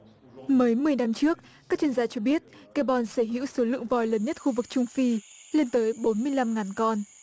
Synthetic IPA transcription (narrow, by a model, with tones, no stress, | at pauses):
məː˨˦jmɨ˨˩əjna˧mt͡ɕɨ˦˥ək̚ | kaː˦˥k̚t͡ɕi˧ənzaː˧t͡ɕɔ˧ɓi˦˥ət̚ | ke˧ɓɔ˨˧nsəː˧˩ɦḭ˧˥əwso˨˦lɨ̰˧˨əŋvɔ˨˩jləː˨˦nɲə˦˥t̚xu˧vɨ˨˩k̚t͡ɕʊ˧ŋ͡mfi˧le˧nt̪əː˨˦jɓo˨˦nmɨ˧əjla˧mŋaː˨˩nkɔ˧n